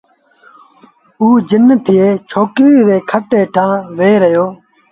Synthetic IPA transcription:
uːd͡ʒɪnt̪ʰɪjeːt͡ʃʰoːkɾiːɾeːkʰəʈeːʈʰãːʋeːɾəjoː

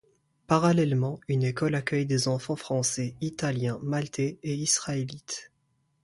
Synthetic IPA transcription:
paʁalɛlmɑ̃ynekɔlakʲœjd̪ezɑ̃fɑ̃fχɑ̃sɛit̪aljɛ̃malt̪ʰeeisχaelit̪

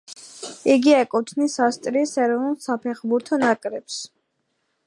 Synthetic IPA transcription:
iɡiakʼut̪ʰnisast̪ʼɾisɛɾɔvnulˠsapʰɛχbuɾt̪ʰɔnakʼɾɛps

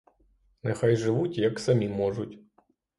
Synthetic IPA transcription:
nɪxajʒɪʋutʲjɐksɐmʲimɔʒʊtʲ

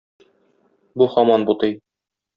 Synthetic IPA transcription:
buχɒmɑnbut̪ɤj

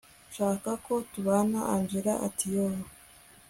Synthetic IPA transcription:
ʃaːkako̞tuβaːnaʔand͡ʒiɾaʔa̰tʰijoɾo

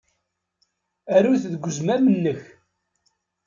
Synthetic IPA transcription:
æɾuθðɡʷːəzmæmənːəç

